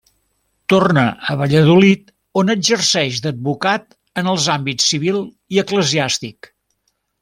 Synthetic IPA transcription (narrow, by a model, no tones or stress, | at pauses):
t̪ornəʔəβəʎəðulit̪ | onəd͡ʒərsɛʃd̪əd̪̚βukat̪ | ənəlˠzambit͡sːiβilˠ | iəkləziast̪ik